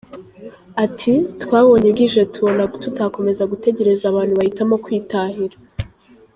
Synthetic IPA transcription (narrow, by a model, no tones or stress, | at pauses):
atʰitwaːβo̞ɲeɡiʒe̞tuβonatutako̞me̞zaɡute̞ɟe̞ɾe̞zaβaːn̥huβahitamo̞kwiːtaːhiɾa